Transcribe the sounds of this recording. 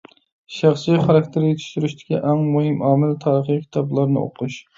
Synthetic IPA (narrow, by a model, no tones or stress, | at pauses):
ʃæχsijχɑɾɑk̚ʲt̪ʰɪɾjet̪ʰy̥ʃt̪yɾyʃt̪ʰɪ̥kʲiʔɛŋmuɦɪmʔɑːmɪlt̪ʰɑːɾəχləkʲʰi̥t̪ʰɑblˠɑɾnɨ̰o̰qʰuʃ